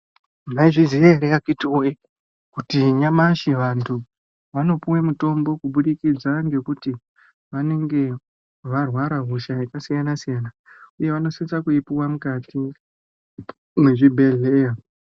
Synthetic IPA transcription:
maiʐizijaɾeakituwe | kutiɲamaʃiʋantʰu | ʋano̞puwe̞muto̞mbo̞kuɓuɗikid͡zaŋɡe̞kuti | ʋane̞ŋɡe̞ | ʋarwaɾaɦuʃaikasijanasijana | uje̞ʋano̞sint͡sakuipiwamukati | muʐibʱe̞ɮeja

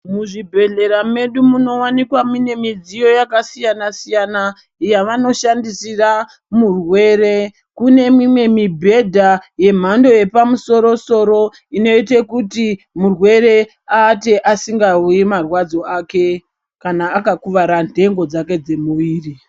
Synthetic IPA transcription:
muʐibʱe̞ɮe̞ɾame̞ɗumuno̞wanikwamine̞mid͡zijo̞jakasijanasijana | jaʋano̞ʃandisira | murwe̞ɾe̞ | kune̞mimwe̞mibʱe̞dʱaje̞m̤ando̞je̞pamuso̞ɾo̞so̞ɾo̞ | ino̞itekuti | murwe̞ɾe̞ | aːte̞ʔasiŋɡaujimarwad͡zo̞ake̞ | kanaːkakuʋaɾandʱe̞ŋɡo̞d͡zake̞d͡ze̞muʋiːri

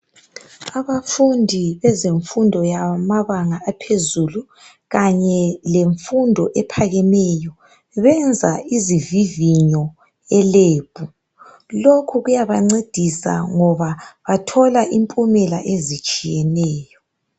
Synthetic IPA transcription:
aβafundʱiβɛzeɱfundʱɔjamaβaŋaapʰezulu | ɣaɲɛleɱfundʱɔʔɛpʰaɣɛnɛjɔ | βɛnd͡zʱaiziviviɲɔ | ɛleːb̥ʱu | lokʰuɣujaβaŋ͡ǀed̥ʱisa̰ŋɔβaβatʰɔlaʔimpʼumɛlaʔezit͡ʃʼijɛnɛːjɔ

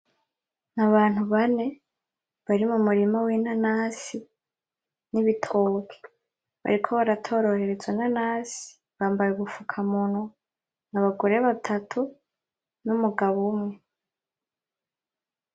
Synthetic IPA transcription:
naβaːn̥huβane̞ | βaɾimumuɾimawinanasi | niβitʰoːkʰe̥ | βa̰ɾikʰo̞βaɾatʰo̞ːɾo̞ɾe̞ɾe̞zwenanaːsi̥ | βaːmbajuɡufukʰamuno | naβaɡoɾe̞βatʰatʰu | numuɡaβumŋe̞

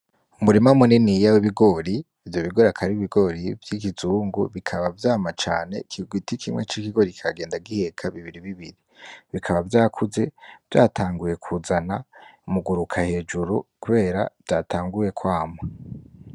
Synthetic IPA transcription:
umuɾimamuninijawiβiɡo̞ɾiː | vjo̞βiɡo̞ɾakʰaɾiiβiɡo̞ɾivjikizuːŋɡuβikʰaβavjaːmat͡ʃa̰ːne̞kiɡwitikʰimŋe̞t͡ʃikiɡo̞ɾikikaɡeːndaɡihe̞kʰaβiβiɾiβiβiɾiβikʰaβavjaːkʰuze̞v̥ja̰ːtʰaːŋɡuje̞kʰuːzanaumuɡuɾukʰahe̞d͡ʒuɾukuβe̞ːɾa̰v̥jaːtʰaːŋɡuje̞kwaːma

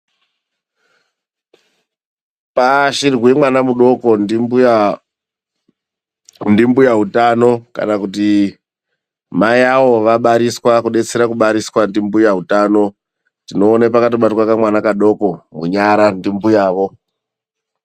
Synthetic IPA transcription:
paʃirwemwanamuɗo̞ko̞nima | ndimbujaɦutano̞ka̰nakut̬i | majaʋo̞ʋaɓaɾiswakuɗe̞t͡seɾakuɓaɾiswandimbujaɦutaːno̞ | tino̞ːnepakatoɓatwakamwanakaɗo̞ko̞muɲaɾandimbujaːʋo̞

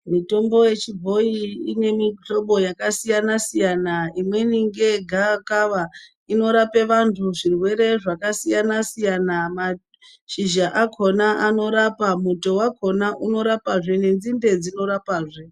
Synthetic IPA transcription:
mito̞mbo̞je̞t͡ʃibʱo̞iine̞miɬo̞ɓo̞jakasijanasijanaimwe̞niŋɡe̞ɡʱakaʋa | ino̞ɾape̞ʋantʰuʐirwe̞ɾe̞ʐakasijanasijanama | ʃiʒaʔakʰonaano̞ɾapamuto̞wakʰo̞naʔuno̞ɾapaʐene̞nd͡zinde̞d͡zino̞ɾapaːʐe

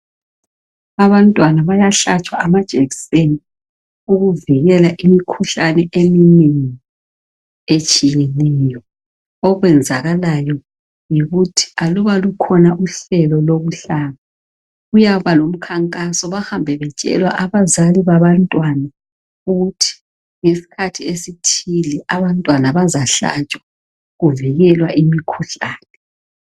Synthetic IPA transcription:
aβantʼwanaβajaɬat͡ʃʰʼwaʔamad̥ʒ̥ʱeɣiseni | uɣuviɣɛlaʔimikʰuɬanɛʔeminini | et͡ʃʼijenɛjɔ | ɔɣwɛnd͡zʱaɣalajɔ | jiɣutʰi̥aluβalukʰɔnaʔuɬɛlɔloβuɬaβa | ujaβalom̩kʰaŋkʼasɔβahambʱɛβɛt͡ʃʼɛ̰lwaʔaβazaliβaβantʼwana | uɣutʰi̥ | ŋesi̥kʰatʰiesitʰilɛʔaβantʼwanaβazaɬa̰t͡ʃʼwa | ɣuviɣɛlwaʔimikʰuɬaːnɛ

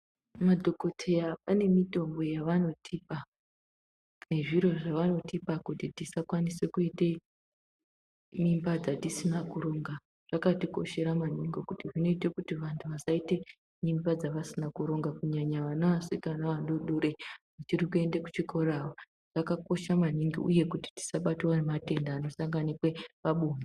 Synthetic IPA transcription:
madʱo̞ko̞tʰe̞japane̞mito̞mbo̞jaʋano̞tʰiːpa | ne̞ʐiɾo̞ʐaʋano̞tipakutitisakwanisekuite̞ | mimbad͡zatisinakuɾo̞ŋɡa | ʐ̥akatiko̞̰ʃe̞ɾamaɲiŋɡo̞kutiʐino̞ite̞kutiʋantʰuʋasaite̞ | mimbad͡zaʋasinakuɾo̞ŋɡakuɲaɲaʋanaʋaseknaʋanɗoɗoɾeʐat͡ʃirikue̞ndeku̥t͡ʃikʰo̞ɾaːwo | ʐ̥akako̞ʃaman̤iŋɡiuje̞kuti̥ti̥saɓatiwanemate̞ndaːno̞saŋɡanikwe̞ʋaɓuːmi

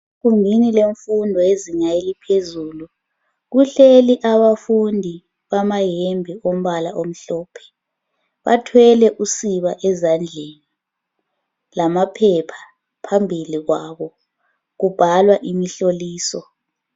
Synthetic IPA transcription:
ɣumbʱinileɱfundʱɔeziŋajelipʰezuːlu | ɣuɬeliʔaβafundʱi | βamajembʱiom̩βalaʔom̩ɬɔːpʰɛ̥ | βa̰tʰwɛlɛʔusiβaʔɛzand͡ɮʱeni | lamapʰɛpʰḁ | pʰambʱiliɣwaːβɔ | ɣub̥ʱalwaʔimiɬoliːsɔ

